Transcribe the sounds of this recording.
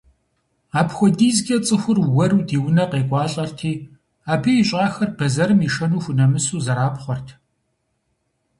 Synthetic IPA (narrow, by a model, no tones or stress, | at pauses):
aːpxʷɔdiːzɡʲʼɐt͡sʼɨxʷʊrwɐɾuːdiːwʊnɐqeːkʷʼɑːɬʼɐrtʰiː | aːbiːɕʼaːxɐrb̥ɐzɐɾɨmiːʃɐnuːxʷʊnɐmɨsuːzɐɾaːpχʷɔrtʰ